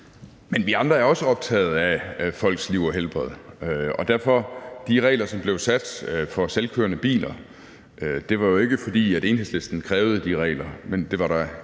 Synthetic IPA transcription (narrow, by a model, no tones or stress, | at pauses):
menʋiɑ̈nd̥ʁɐæɐɒ̽səɒ̽b̥̚t͡sʰɛ̰ːð̞̩ˠæfɒ̽l̰ɡ̥sliʊ̰ɒɦelb̥ʁɐð̩ˠɒ̽d̥æɐfɒ̽d̥iʁɛ̰ːlɐsɒ̽mb̥le̝ʊsæd̥fɒ̽selkʰøɐnəb̥ḭːlɐ | ʔød̥e̝ʋɑ̈jo̝e̝ɡ̥əfɒ̽d̥ḭːæɾe̝ːnɦe̝sle̝sd̥n̩kʰʁɛːʊð̞̩ˠəd̥iʁɛ̰ːlɐmend̥e̝ʋɑ̈ɾɑ